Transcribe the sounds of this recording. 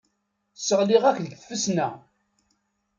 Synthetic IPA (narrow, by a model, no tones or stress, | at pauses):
sːəʁliʁækðɡθfəsnæ